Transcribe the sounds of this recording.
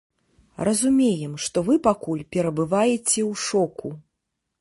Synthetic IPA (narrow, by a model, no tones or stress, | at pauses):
rɐzumʲejɛmʂt̪ɔvɨpakulʲpʲɛɾɐbɨvajɛt͡sʲɛwʂɔku